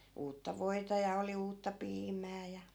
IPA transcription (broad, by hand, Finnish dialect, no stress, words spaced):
uːtːɑ ʋoi̯tɑ jɑ oli uːtːɑ piːmæː jɑ